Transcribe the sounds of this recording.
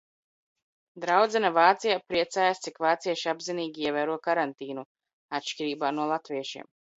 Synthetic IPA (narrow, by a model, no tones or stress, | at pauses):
d̪ɾawd̪zɛnavaːt̪sijapɾiɛt̪saːjast̪sikvaːt̪siɛʃiabziniːɡʲiiɛvæːɾuɔkaɾant̪iːnu | at̪ʃkʲiɾiːbaːnuɔlˠat̪viɛʃḭɛm